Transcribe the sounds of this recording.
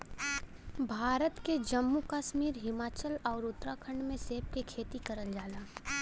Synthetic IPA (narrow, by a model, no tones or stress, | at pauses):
bʱaːɾət̪ked͡ʒəmːukaʃmiːɾɦɪmaːt͡ʃəlɔːɾʊt̪ɾakʰə̃ɳɖmẽseːp̚kekʰeːt̪ikɐɾəld͡ʒaːlaː